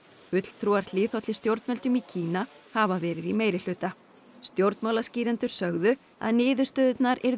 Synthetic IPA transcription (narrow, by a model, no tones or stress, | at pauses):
fʏt̪l̥t̪ʰɾuːaɾ̥lɪːθɔt̪lɪst̪jowɾt̪mœlt̪ʏmicʰiːnahavavɛːɾɪðimeːjɾɪl̥ʏːt̪a | st̪jowɾt̪nmawlasciːɾɛnt̪ʏɾ̥sœɣðʏ | a̰ðnɪːðʏst̪œːðʏt̪naɾɛɾ